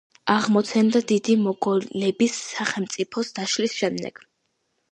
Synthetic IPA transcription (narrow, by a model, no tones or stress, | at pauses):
aʁmɔt̪sʰɛnd̪ad̪id̪imɔɡɔlɛbisːaχɛlmt̪sʼipʰɔsd̪aʃlisʃɛmd̪ɛ̰ɡ̥